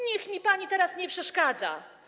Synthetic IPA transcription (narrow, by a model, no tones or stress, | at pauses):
ɲɛxmʲipaɲit̪ɛɾasɲɛpʂɛʂkad̪za̰